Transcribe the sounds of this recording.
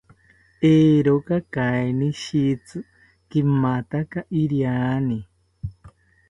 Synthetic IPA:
eːɾokakaeniʃit͡sɨ | kimat̪akaʔiɾjani

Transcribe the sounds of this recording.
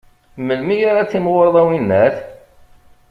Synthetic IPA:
məlmijaɾat͡sːimʁoɾˤðˤæwinːæθ

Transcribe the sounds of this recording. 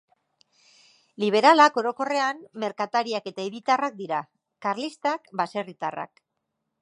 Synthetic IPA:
liβ̞e̞ɾalako̞ɾo̞ko̞re̞anːe̞ɾkat̪aɾiake̞t̪aeβit̪arak̚d̪iɾa | kaɾlist̪akbase̞rit̪a̰ra̰k

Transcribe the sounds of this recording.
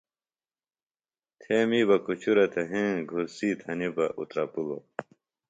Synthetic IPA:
t̪ʰeːmiːbɐkut͡ɕʰuɾɐt̪ʰɐɦẽːɡʱusiːt̪ʰɐnibɐʔṵt̪ɾɐpulo̰

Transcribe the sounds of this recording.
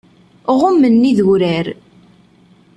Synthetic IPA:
ʁʊmːənːiðuɾæɾ

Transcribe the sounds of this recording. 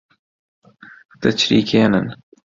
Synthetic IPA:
t̪ət͡ʃʰɾḭːkʰeːnən

